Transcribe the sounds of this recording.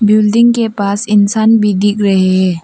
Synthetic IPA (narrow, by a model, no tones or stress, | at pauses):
bɪlɖɪ̃ŋkepaːsɪnsaːnbʱid̪ɪkɾɐɦeɦɛ